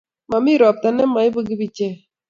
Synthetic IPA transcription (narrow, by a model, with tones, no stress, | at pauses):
ma˨mi˦ɾɔ˨p̚t̪a˨nɛ˦ma˨i˦bu˦ɡi˦bi˦t͡ʃe˦˨